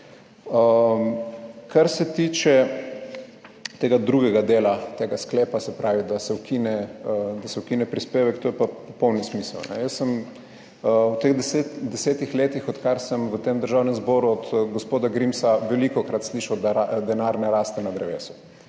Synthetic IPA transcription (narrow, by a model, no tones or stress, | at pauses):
ə | kʰaɾsɛt̪iːt͡ʃɛ | t̪eːɡad̪ɾuːɡɛɡad̪eːlat̪eːɡaskleːpasɛpɾaːʋid̪asɛukʰinɛəd̪asɛwkiːnɛpɾispeːʋɛkt̪oːjɛpapɔpɔwnismisə̰lnɛ̰jəsːəm | əwt̪eɣd̪set̪d̪ɛseːt̪ixleːt̪ixɔt̪kaɾsəmʋət̪emd̪əɾʒawnɛmzbɔːɾuɔd̪ɡospoːd̪aɡɾimsaʋɛlikɔkɾat̪sliʃawd̪aɾad̪ɛnaɾnɛɾaːst̪ɛnad̪ɾɛʋḛːsu̥